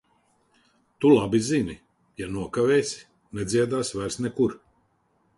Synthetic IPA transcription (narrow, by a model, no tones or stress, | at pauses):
t̪ulˠabizini | januɔkavɛːjsʲ | nɛd̪zʲiɛd̪aːsvæɾsnɛkuɾ